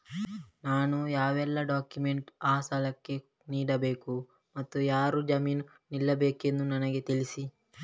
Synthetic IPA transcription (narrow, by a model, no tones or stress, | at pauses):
naːnujaːʋɛlːɐɖaːkjumeɳʈaːsalɐkːe̞ | niːɽɐbe̞ːku | mɐt̪ːujaːɾud͡ʒɐmiːn | nilːɐbeːke̞nd̪unɐnɐɡe̞t̪ilisi